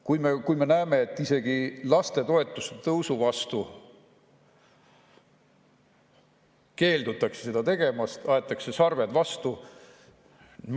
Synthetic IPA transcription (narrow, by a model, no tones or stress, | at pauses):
kujmekujme̞næeme̞ːt̪ːˑise̞ɡ̥ilɑst̪e̞t̪o̞e̞t̪ːˑuse̥t̪ɤwsuvɑst̪u | ke̞ːld̪ut̪ːˑɑkse̥se̞d̪ɑt̪e̞ɡ̥e̞mɑst̪ɑe̞t̪ːˑɑkse̞sɑrve̞d̪̥vɑst̪u